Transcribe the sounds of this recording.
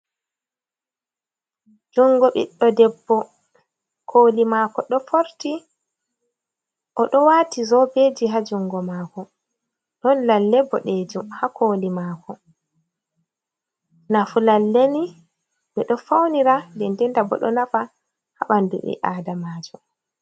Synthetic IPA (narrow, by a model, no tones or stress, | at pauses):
d͡ʒuŋɡɔɓḭɗːɔdɛbːɔ | kʰoːlimaːkɔɗɔfoɾti | ʔɔɗɔwatizɔbed͡ʒiɦad͡ʒuŋɡɔmaːkɔ | ɗɔnlalːɛbːɔɗed͡ʒumhakʰoːlimaːkɔ | nafulalːeni | ɓɛɗɔfawniɾadɛndɛntabɔ̰ɗɔ̰nafa | ha̰ɓandṵɓɛ̰ʔaːdamaːd͡ʒɔ